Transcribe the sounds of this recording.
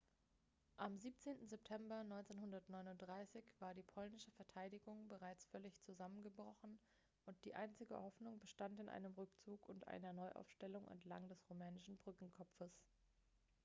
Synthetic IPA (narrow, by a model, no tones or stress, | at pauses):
ʔamziːp̚t͡seːntn̩zɛptʰɛmbɐnɔʏnt͡senhʊndɐtnɔʏnʊntd̥ʁaɪsɪçv̥aːɐɾiːpʰɔlnɪʃəfɛɐtʰaɪɾɪɡʊŋbəʁaɪt͡sfœɐlɪçt͡suzamənɡəbʁɔχn̩ | ʔʊnt̚d̥iːʔaɪnt͡sɪɡə̰hɔfnʊŋbəʃtantɪnʔa̰ɪnəmʁʏkt͡suːkʊntʔa̰ɪnɐnɔʏʔa̰ʊfʃtɛlʊŋɛ̰ntla̰ŋdɛsʁomɛːnɪʃn̩bʁʏkŋ̩kʰɔpp͡fəs